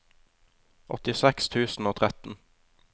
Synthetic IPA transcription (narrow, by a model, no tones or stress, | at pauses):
ʔɔ̰t̪ɪsɛkst̪ʰʉːsn̩oːt̪ʰʁɛt̪n̩